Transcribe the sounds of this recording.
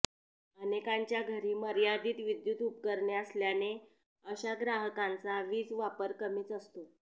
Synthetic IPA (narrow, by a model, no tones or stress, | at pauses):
ənekaɲt͡ɕjaɡʱəɾiːməɾjad̪iːt̪ʋid̪jut̪upkəɾɳeəsljane | əɕaɡɾaɦəkãnt͡saʋiːt͡sʋapəɾkəmiːt͡səst̪o